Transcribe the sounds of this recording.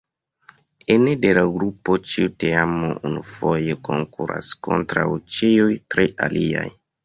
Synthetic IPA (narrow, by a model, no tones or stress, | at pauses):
enedelaɡɾupot͡ʃiuteamoʔunufojeko̞ŋkuɾa̰sko̞̰ntɾawt͡ʃiujtɾeʔalia̰j